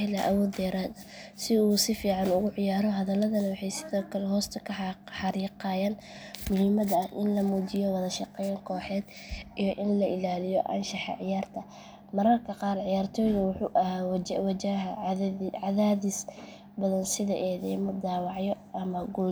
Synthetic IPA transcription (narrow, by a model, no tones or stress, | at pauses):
ɛlɐʔɐwɔːd̪ɛːɾaːd̪ɐsɪuːsɪfiːʕɑnʊɣʊʕɪjaːɾɔɦɐðɐlɐðɐnɐwɑħɑjsɪðɔːkʰɐlɛɦɔːst̪ʰɐkʰɐħɑɾiːqɑːjaːn | mʊhɪmɐðɐɐʔɪnlɐmud͡ʒɪjɔwɐðɐʃɑqɛːjŋkʰɔːħɛːd̪ | ijɔʔɪnlɐʔɪlaːlɪjɔʔɐ̰nʃɑħɑ̰ʕɪjaːrt̪ʰɐ | mɐɾɐrkʰɐqɑːrʕɪjaːrt̪ʰɔːjðɐwʊħuːʔɐhaːwwɐd͡ʒaɦɐʕɑðaːðis | bɐðɐnsɪðɐʔɛðɛjmɐd̪aːwɑʕjɔʔɐmɐɡɔ